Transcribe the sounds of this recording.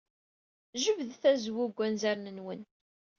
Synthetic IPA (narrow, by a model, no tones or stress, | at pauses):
ʒəvðθæzwʊɡʷːænzæɾnənwən